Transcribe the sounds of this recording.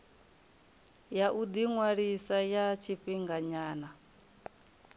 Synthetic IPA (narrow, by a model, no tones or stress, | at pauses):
jaʔud̪iŋwaɺisajat͡ʃʰiɸiŋɡaɲaːna